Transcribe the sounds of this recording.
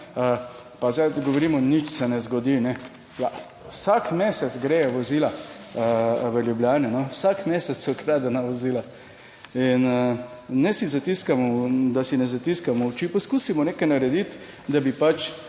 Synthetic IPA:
ə | pazajd̪ɡoʋoɾimɔnit͡ʃsɛnɛzɡɔd̪inɛ | a | wsakmeːsɛt͡s̪sɡɾejɛʋɔzila | ʋəljubljaːnɛnɔwsakmeːsɛt͡s̪sɔkɾad̪anaʋoziːla | in | nɛsizat̪iskamɔd̪asinɛzat̪iskamɔwt͡ʃipɔskusimɔneːkɛjnaɾɛd̪it̪ | d̪abipat͡ʃ

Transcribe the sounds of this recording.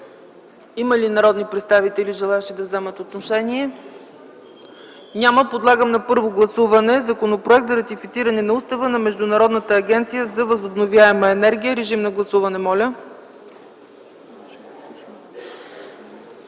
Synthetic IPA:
iməlinɐɾɔd̪nipɾɛt̪st̪avit̪ɛliʒɛlˠaɛʃid̪ɐvzɛmət̪ot̪noʃɛniɛ | nʲaməpod̪lˠaɡəmnɐpɤɾvoɡlˠɐsuvɐnɛzɐkonopɾoɛk̚t̪zɐɾɐt̪ifit̪siɾɐnɛnɐust̪ɐvənɐmɛʒd̪ʊnɐɾɔd̪nət̪əːɡʲɛnt̪sijəzɐvɐzobnovjaɛməɛnɛɾɡʲijəɾɛʒimnɐɡlˠɐsuvɐnɛmɔlʲə

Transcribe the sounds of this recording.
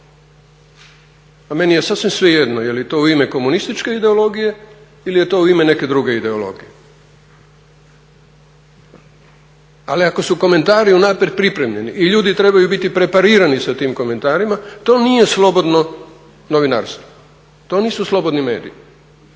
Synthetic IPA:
ame̞nijesasʋimsʋejed̪nojeliet̪o̞ːuime̞ko̞munist̪it͡ʃke̞id̪eo̞lo̞ɡije̞ | ilije̞t̪o̞ːuimene̞ke̞d̪ɾuɡe̞id̪e̞olo̞̰ɡije | aliako̞suko̞me̞nt̪aːɾiunapɾet̪̚pɾipɾe̞mʎe̞niʔiʎuːd̪it̪ɾe̞bajubit̪ipɾe̞paɾiːɾanisat̪iːmko̞me̞nt̪aːɾimat̪o̞ːnijeslˠo̞bo̞d̪no | noʋina̰ɾst̪ʋo̥ | t̪o̞niːsuslˠo̞bo̞d̪nime̞̰ːd̪ḭi

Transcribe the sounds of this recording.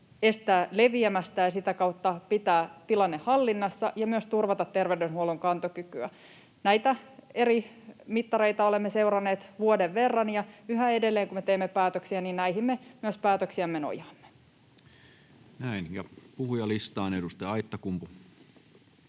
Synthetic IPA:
e̞st̪æːle̞ʋiemæst̪æjɑsit̪ækɑut̪ːɑpit̪æːt̪ilɑnːehhɑlːinːɑsːɑʔjɑmyøst̪urʋɑt̪ɑt̪ːerʋewdenhuoluŋkɑnt̪okykyæ̰ | næit̪æe̞ɾi | mit̪ːɑɾeit̪ɑo̞le̞mːese̞wrɑnːeːt̪ʋuodeʋːe̞rːɑnjɑyɦæedelːeːŋkumet̪eːmːepæːt̪øksiæniːnnæihimːemyøspæːt̪øksiæmːeno̰jɑːmːe̥ | næinjɑpuhujɑlist̪ɑːnedust̪eɑit̪ːɑkumpu

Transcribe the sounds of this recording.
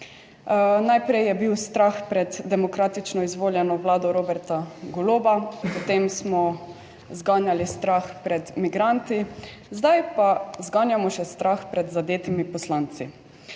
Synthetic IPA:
najpɾɛjjɛbiwst̪ɾaxpɾɛd̪d̪ɛmɔkɾaːt̪it͡ʃnɔizʋoːljɛnɔʋlaːd̪ɔɾoːbɛɾt̪aɡɔloːbapɔt̪emsmɔ | zɡaːnjalist̪ɾaxpɾɛt̪miɡɾant̪i | zd̪ajpazɡaːnjamɔʃɛst̪ɾaxpɾɛd̪zad̪jeːt̪imipɔslant̪si

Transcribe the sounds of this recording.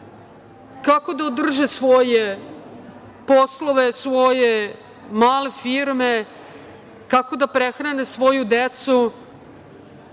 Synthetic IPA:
kako̞d̪aod̪r̩ʒesʋo̞je | posloʋesʋo̞je | maːlefiɾme | kako̞d̪apɾexɾanesʋo̞jud̪et̪su

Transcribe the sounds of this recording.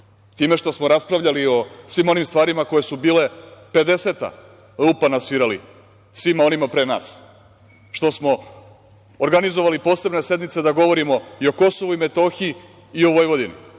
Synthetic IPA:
t̪iːme̞ʃt̪o̞smoɾaspɾaʋʎalio̞sʋiːmo̞nimst̪ʋaːɾimako̞je̞subiːle̞pe̞d̪e̞set̪a̰ | lpanasʋiɾalḭ | sʋimao̞nimapɾena̰ːs | ʃt̪o̞smo̞ː | ɾɡanizoʋalipo̞ːse̞bne̞se̞d̪nmit̪se̞d̪aɡo̞ʋo̞ɾimo̞io̞ko̞so̞ʋuime̞t̪o̞xiiː | o̞ʋo̞jʋo̞d̪inḭ

